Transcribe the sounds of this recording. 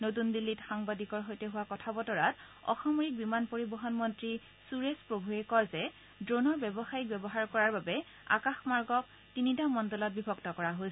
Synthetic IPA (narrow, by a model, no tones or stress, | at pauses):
not̬undilːitxaŋbadikɔɹɦojtɛɦʊwakɔtʰabɔtɔɹat | ɔ̰xɔmɹik̚bimanpoɹibɔɦɔnmɔntɹi | suɹespɹobʱuɹɛkɔɹzɛ | dɹonɔɹbɛbɔxajik̚bɛbɔɦaɹkɔɹaɹbabɛ | a̰kaxmaɹɡɔk̚ | tinitamɔndɔlɔt̚bibʱɔɡtɔkɔɹaɦosɛ